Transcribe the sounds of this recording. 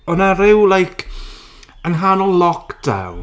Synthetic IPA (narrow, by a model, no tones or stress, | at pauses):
ɔnaɾɪwlˠajkʰ | ənɦanɔlˠlɔkd̥a̰wn